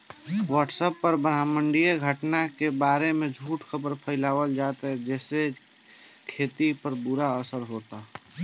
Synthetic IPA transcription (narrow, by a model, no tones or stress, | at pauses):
wəʈsəpːəɾbəɾaməɳɖijeɡʱəʈnakebaɾemed͡ʒʱuːʈkʰəbəɾpʰəɪlaːʋəld͡ʒat̪ɦɛd͡ʒɛːse | kʰet̪ipəɾbuɾaəsəɾɦot̪a